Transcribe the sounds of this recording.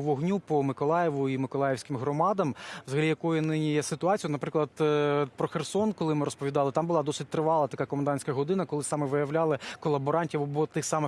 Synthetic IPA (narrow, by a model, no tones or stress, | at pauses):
ʋɔɦnʲupɔmɪkɔlˠɑjɛʋʊimɪkɔlˠɑjewsʲkɪmɦɾɔmɑd̪ɐmʋzɐɦɐlʲijɐkɔjʊnɪnʲijɛsɪt̪ʊɑt͡sʲjɔt̪nɐpɾɪklˠɐd̪pɾɔxersɔnkɔlˠɪmɪɾɔspɔʋʲid̪ɑlˠɪt̪ɑmbʊlˠɑd̪ɔsɪt̚ʲt̪ɾɪʋɑlˠɐt̪ɐkɑkɔmɐnd̪ɑnʲsʲkɐɦɔd̪ɪnɐkɔlˠɪsɑmɛʋɪjɐwlʲɑlˠɪkɔlˠɐbɔɾɑnʲtʲiʋɔbɔt̪ɪxsɑmɪ